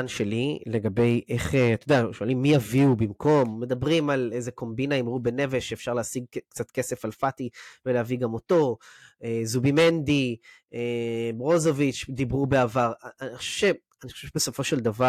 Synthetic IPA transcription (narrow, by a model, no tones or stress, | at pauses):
anʃe̞lile̞ɡabe̞jʔeχeat̪od̪eaʃoalimːijaviubimkʰo̞mːe̞d̪abʁimalejzeko̞mbinaimʁube̞ne̞veʃeeːfʃaʁleasiɡ̚kt͡sat̪ke̞se̞falfat̪iveleaviɡamo̞t̪o̞ezubime̞nd̪i | eʁo̞zo̞vit͡ʃd̪ibʁube̞avaʁaniχoʃe̥ʃe | aniχoʃevʃbeso̞fo̞ʃeld̪ava